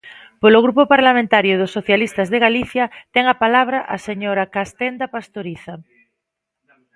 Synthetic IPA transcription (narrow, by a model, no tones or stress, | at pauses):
poloɣɾupopaɾlamẽnt̪aɾjoðosːoθjalist̪azðeɣaliθjat̪ɛŋapalaβ̞ɾaʔaseɲoɾakast̪end̪apast̪oɾiθa